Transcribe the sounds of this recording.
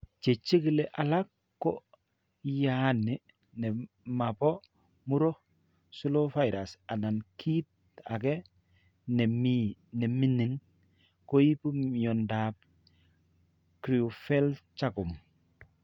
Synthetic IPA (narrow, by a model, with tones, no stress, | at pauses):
t͡ʃe˨t͡ʃːi˦ki˦le˦ʔa˨la˦kː | ɔ | jani | nɛ˨ | ma˨pɔ˦ | mu˦ɾɔ˦ | su˦lofa˦jɾasa˨na˨nkʰi˦t̚ | a̰˨kɛ˦ | nɛ˨minɛ˨mi˦ni˨ŋ | ko˦ji˦pu˦mjɔ˨ndap̚ | kɾi˨ufɛ˦lt͡ʃa˦ku˨m